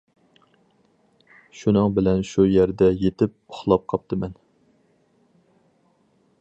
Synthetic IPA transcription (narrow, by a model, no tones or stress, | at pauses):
ʃunɨŋbɪlɛnʃujæɾd̪ɛjet̪ʰɪp̚ʊχlˠɑp̚qʰɑp̚t̪ʰɨmɛn